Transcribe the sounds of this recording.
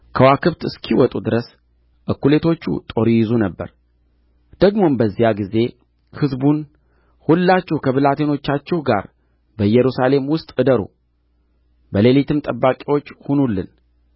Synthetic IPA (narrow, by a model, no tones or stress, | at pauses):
kʰəwakʰɨβt̪ɨskʰiwɔt̪ʼud̪ɨɾəs | ʔɨkːule̞t̪ʰo̞t͡ʃːṵt̪ʼo̞ɾijɪzunəbːə̰ɾ | d̪̥əɡmo̞nbəzːijaɡize̞ | hɨzbun | hulːat͡ʃːɛhkʰəβɨlat̪ʰe̞no̞t͡ʃːat͡ʃːɛhɡa̰ɾ | bəjɛɾusale̞mwʊst̪ʼɨd̪əɾṵ | bəle̞lit̪ʰɨmt̪ʼəbːakʼiwo̞t͡ʃːhunulːɨn